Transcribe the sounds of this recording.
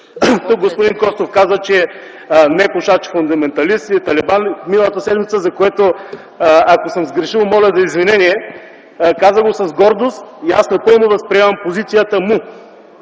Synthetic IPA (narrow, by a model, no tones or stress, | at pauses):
t̪uk̚ɡospʊd̪inkɔst̪ofkazət͡ʃɛ | nɛpuʃat͡ʃi̥fund̪ɐmɛnt̪ɐlist̪it̪ɐlɛbanminɐlˠɐt̪ɐsɛd̪mit̪səzɐkoɛt̪o | ɐkosəmzɡɾɛʃilˠmɔlʲɛd̪ɐizvinɛniɛ | kazəɡosɐzɡɔɾd̪ost̪iasnɐpɤlˠnod̪ɐspɾiɛmɐmpozit̪sijət̪əmu